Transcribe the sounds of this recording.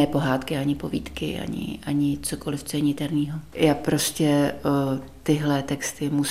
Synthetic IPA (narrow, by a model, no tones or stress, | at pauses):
ɛːpo̞ɦaːt̪kɪaɲɪpo̞vḭːt̪kɪ̰ʔa̰ɲɪ̰ʔaɲɪt͡soko̞lɪft͡soɛɲɪt̪ɛɾniːɦojaːpɾo̞scɛ | t̪ɪɦlɛt̪ɛkst̪ɪmu